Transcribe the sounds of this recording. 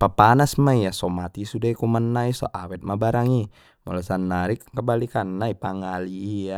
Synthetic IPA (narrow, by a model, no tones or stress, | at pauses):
papanasmaijasɔmat̪isudaikumanːaisɔ̰ʔawɛt̪̚mabaɾaŋi | mɔ̰lasanːaɾikkəbalikanːaipaŋaliːja